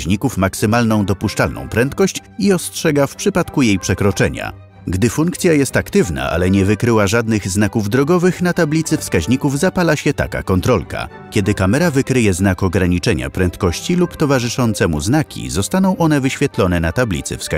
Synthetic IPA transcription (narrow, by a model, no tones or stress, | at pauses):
ɲikufmaksɘmalnɔ̃w̃d̪ɔpuʂt͡ʂalnɔ̰̃w̃pɾɛnt̪kɔɕt͡ɕiɔstʂɛɡafpʂɘpat̪kujejpʂɛkɾɔt͡ʂɛɲa̰ | ɡd̪ɘfuŋkt̪sʲjajɛst̪akt̪ɘvna̰ʔa̰lɛɲɛvɘkɾɘwaʐad̪nɘɣznakuvd̪ɾɔɡɔvɘxnat̪ablʲit̪sɘfskaʑɲikuvzapalaɕɛt̪a̰ka̰kɔnt̪ɾɔlka̰ | kʲɛd̪ɘkamɛɾavɘkɾɘjɛznakɔɡɾaɲit͡ʂɛɲa̰pɾɛnt̪kɔɕt͡ɕilupt̪ɔvaʐɘʂɔnt̪sɛmṵznakʲʰḭzɔst̪anɔ̃w̃ʔɔnɛvɘɕfʲjɛt̪lɔnɛnat̪ablʲḭt̪sɘ̰fska